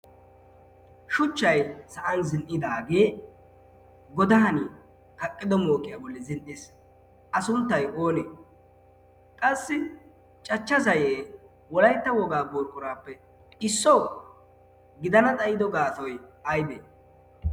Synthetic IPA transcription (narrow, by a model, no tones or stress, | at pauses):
ʃʊt͡ʃːɐjsɐʔɐnzɪnʔɪd̪aːɡe̞ː | ɡɔd̪ɐɦɐniː | kɐkʼːɪd̪ɔmoːkʼɪjabɔlːɪzɪnʔɪs | ʔɐsʊnt̪ːɐjo̞ːnḛː | kʼɐsːɪ | t͡ʃʼɐt͡ʃːɐzɐjeː | wɔlɐjt̪ːɐwɔɡaːboːɾkʼʊɾaːpːɛ | ɪsːɔw | ɡɪd̪ɐnɐt̪ʼɐjɪd̪ɔɡaːt̪ɔjɐjd̪ḛː